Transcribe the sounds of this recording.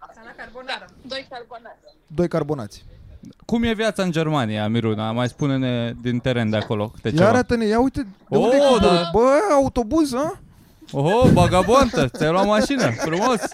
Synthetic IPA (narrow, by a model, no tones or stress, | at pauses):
d̪ojkarbo̞na̰t̪sʲkumje̞vjat̪saɨnd͡ʒe̞rmanijamiɾunamajspunened̪int̪eɾe̞nd̪eako̞lokɨ̥t̪ejaɾat̪ənejaujt̪ed̪eoned̪oaɾbəaut̪o̞buzə | oɦobaɡaboant̪ət̪aloamaʃinəfɾumo̞s